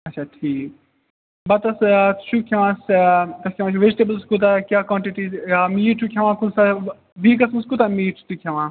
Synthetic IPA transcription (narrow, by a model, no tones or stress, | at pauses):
ɐʃʰaːʈʰiːk̚ | bɐt̪ɐst̪t͡ʃʰukʲʰɐʋãːst̪ɐskʲʰɐ̃ʋãːt͡ʃʰuʋed͡ʒiʈebəlskut̪̬akʲaːkãːɳʈiʈiamiːʈʰukʰʲɐʋãːkusa | biːkɐsmskut̪amiːʈʰu̥t̪ukʲʰeʋãː